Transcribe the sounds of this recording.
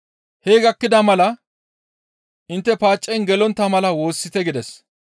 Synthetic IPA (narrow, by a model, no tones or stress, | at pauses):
heːɡɐkːɪd̪ɐmɐlɐ | ʔɪnt̪ːɛpaːt͡ʃʼːɛjnɡɛlɔnt̪ːɐmɐlɐwo̞ːsːɪt̪ɛɡɪd̪ɛs